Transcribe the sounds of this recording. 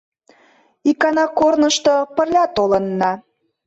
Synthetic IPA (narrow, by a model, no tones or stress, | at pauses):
ikɑnɑkornəʃt̪opə̆rlʲɑt̪olənːɑ